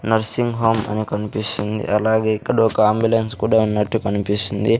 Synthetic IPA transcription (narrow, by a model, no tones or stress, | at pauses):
nɐɾsiŋɡɦoːmɐ̰nikɐnipisind̪ḭʔɐlaːɡeːikːɐɽuɔkɐaːmbjulɐnskuːɽaːunːɐʈːukɐnipisind̪i